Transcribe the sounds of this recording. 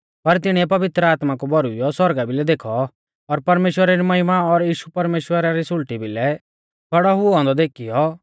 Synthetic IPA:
pɐɾt̪ɪɽ̃iɛpɐʋɪt̪ɾəaːt̪makubɔɾuijɔswɔɾɡabʱilɛd̪eːkʰɔː | ɾpɐɾmeːʃwəɾaɾimɐɦɪmaɔɾjiːʃupɐɾmeːʃwəɾaɾisʊlʈibʱilɛ | kʰɐɽɔɦʊɔ̃nd̪ɔd̪eːkʰijɔ

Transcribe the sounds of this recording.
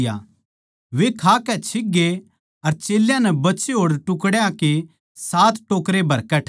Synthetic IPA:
ja̰ | ʋekʰaːkɛt͡ʃʰɪɡːe | ɐɾt͡ʃeːljãnɛbɐtːt͡ʃeɦoːɽʈʊkɽjãke | saːt̪ʈoːkɾebʱɐɾkɐʈʰ

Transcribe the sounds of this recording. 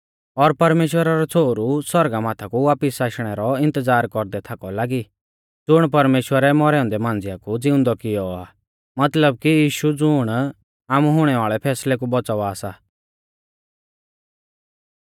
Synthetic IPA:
ɔɾpɐɾmeːʃwəɾaɾɔt͡sʰoːɾuswɔɾɡamaːt̪ʰakuʋaːpɪsaːʃɽ̃ɛɾɔɪ̃nt̪əd͡zaːɾkɔɾd̪ɛt̪ʰakɔlaːɡi | d͡zʊɽ̃p̬ɐɾmeːʃwəɾɛmɔɾɛɔ̃nd̪ɛmãːnd͡zɪjakud͡zɪʊ̃nd̪ɔkɪjɔaː | mɐt̪ləb̚kijiːʃud͡zʊɽ̃ | aːmuɦʊɽ̃ɛʋaːɭɛpʰɛːslɛk̬ubɔt͡sɔʋaːsa

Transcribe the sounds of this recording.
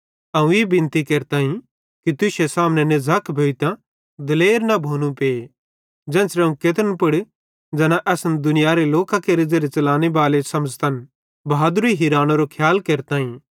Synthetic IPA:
ɐũebɪ̃nt̪ikeːɾt̪aːɦĩ | kit̪ʊʃesaːmnɛnezʱaːkbʱeːit̪ã | d̪ɐleːɾnabʱoːnũpeː | d͡ʒɛ̃ːnsɾeɐũket̪ənpɪɽ | d͡ʒɐnãʔɛːsnd̪ʊnɪjaɾeloːkãkeɾɪd͡zeɾet͡ʃɐlaːnebaːlesɐməd͡ʒt̪ɐn | baːd̪ɾiɦiːɾaːnoɾokʰjaːlkeːɾt̪aːɦĩ

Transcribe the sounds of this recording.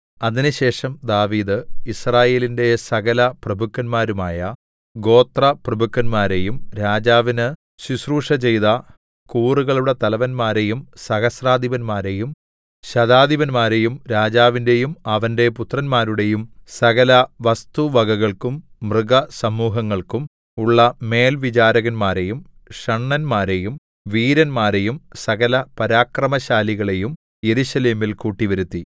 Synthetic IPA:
ɐðinɨɕe̞ːʂɐmd̪aːʋiːd̪ɨisraːje̞ːlinde̞sɐɣɐlɐprɐbʱukːɐnmaːɾumaːjɐ | ɡo̞ːt̪rɐprɐbʱukːɐnmaːɾe̞jumɾaːd͡ʑaːʋinɨ | susruːʂɐt͡ɕe̞jðɐ | kuːruɣɐɭuɽet̪ɐlɐʋɐnmaːɾe̞jumsɐɣɐsraːd̪ʱiʋɐnmaːɾe̞jum | ɕɐðaːd̪iʋɐnmaːɾe̞jumɾaːd͡ʑaːʋindejumɐʋɐnde̞put̪rɐnmaːɾuɽe̞jumsɐɣɐlɐʋɐst̪uʋɐɡɐɣɐɭkumː | rɨɡɐsɐmuːɦɐŋːɐɭkum | uɭːɐme̞ːlʋit͡ɕaːɾɐɣɐnmaːɾe̞jumʂɐɳːɐnmaːɾe̞jum | ʋiːɾɐnmaːɾe̞jumsɐɣɐlɐpɐɾaːkrɐmɐɕaːliɣɐɭejum | je̞ɾuɕɐle̞ːmilkuːʈːiʋɐɾut̪ːi

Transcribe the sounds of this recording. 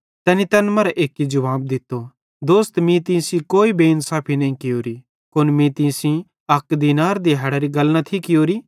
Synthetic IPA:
t̪ɛːnit̪ɐnmɐɾɛʔeːkːid͡ʒɐʋaːb̚d̪ɪt̪ːo | d̪oːst̪mĩt̪ĩsĩkoːibeːnsaːpʰinɐɦĩkɪjoːɾi | konmĩːt̪ĩsĩ | ɐkd̪iːnaːɾd̪iɦɐɽaɾiɡɐlnat̪ʰikɪjoːɾi

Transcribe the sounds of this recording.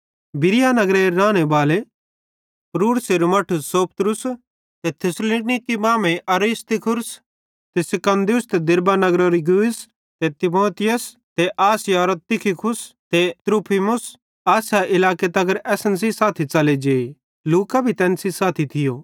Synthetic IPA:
bɪɾɪjanɐɡɾeɾaːñebaːle | pɾuːɽseɾomɐʈʰʊsoːpt̪ɾʊs | t̪et̪ʰɪslinɪkːimãːmẽʔɐɾist̪ɪkʰʊɾs | t̪esɪkɐ̃nd̪ijʊst̪ed̪ɪɾbanɐɡɾoɾiɡuːs | t̪et̪ɪmoːt̪ɪjəs | t̪eʔaːsɪjaɾot̪ɪkʰɪkʰʊst̪et̪ɾuːpʰimʊs | aːsaʔɪlaːket̪ɐɡəɾɛːsəns̬isaːt̪ʰit͡ʃɐled͡ʒeː | luːkabʱit̪ɛ̃ːnsisaːt̪ʰit̪ʰɪjoː

